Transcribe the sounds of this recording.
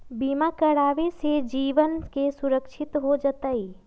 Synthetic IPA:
bimakəɽaːʋesed͡ʒiːʋənkesuɾəkʃʰɪt̪ɦod͡ʒət̪əi

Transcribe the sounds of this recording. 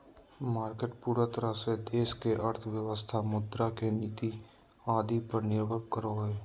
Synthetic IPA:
maːɾkeʈpuːɾat̪əɾased̪eːskeʔəɾt̪ʰʋjəwəst̪ʰamʊd̪ɾakeniːt̪i | aːd̪ipəɾnɪɾbʱəkkəɾoːeː

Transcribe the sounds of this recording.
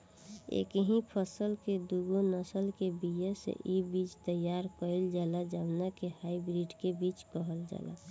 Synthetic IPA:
ḛkəɦĩpʰəsəlked̪uɡonəsəlkebijəsḛʔibiːt͡ʃt̪əjaɾkəild͡ʒaːlad͡ʒəbnakehaːibɾiɖkebiːt͡ʃkəɦəld͡ʒa̰ːla̰

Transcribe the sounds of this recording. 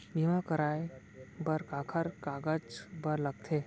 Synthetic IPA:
bimãkəɾaːe | bəɾkakʰəɾkaːɡət͡ʃbəɾləɡ̚t̪ʰeː

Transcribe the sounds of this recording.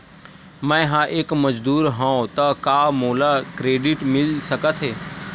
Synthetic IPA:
mɛ̃ɦãːʔeːkməd͡ʒd̪uːɾɦãːõt̪əkaːmoːlakɾeːɖɪʈmɪlsəkət̪ʰɦeː

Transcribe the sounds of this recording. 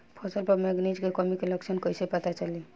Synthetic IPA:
pʰɔsəlpəɾmeɡnid͡ʒkekɔmikeləksʰənkəjsepət̪at͡ʃəli

